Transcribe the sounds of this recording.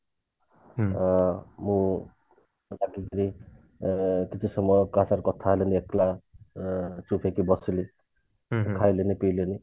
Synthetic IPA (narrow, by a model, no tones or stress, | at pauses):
mu | laɡikiɾi | kit͡sʰusʌmːʌkat͡saɾkʌt̪ʰaɦleniekla | t͡supʰekibʌsili | kʰajlenipileni